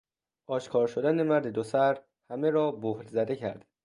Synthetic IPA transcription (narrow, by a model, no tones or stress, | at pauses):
ʔɒːʃkʰɒːɾʃod̪ænemæɾd̪ed̪osæɾ | hæme̞ɾɒːbohɾzæd̪e̞cʰæ̰ɾd̪